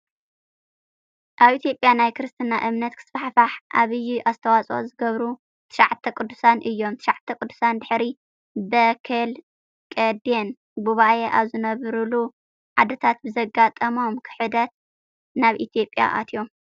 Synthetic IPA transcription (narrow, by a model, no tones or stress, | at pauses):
ʔaβʔit̪ʰijopʼjanajkʰɨɾɨst̪ʰɨnaʔɨmnɐt̪kʰɨ̥sfaħfaħʔa̰βɨjːuʔast̪ʰɐwat͡sʼozɨɡɐβɾu | t̪ʰɨ̥ʃaʕt̪ʰːɐkʼɨd̪ːusanʔɨjːo̞mt̪ʰɨ̥ʃaʕt̪ʰːɐkʼɨd̪ːu̥sand̪ɨħɾi | bɐkʰɐl | kʼɐd̪en | buβajeʔaβzɨnɐβɾulu | ʕad̪ɐt̪ʰat̪̚bɨzɐɡat̪ʼɐmo̞mkʰɨ̥ħɨd̪ɐt̪̚ | naβit̪ʰijo̞pʼːja̰ʔa̰t̪ʰjo̞m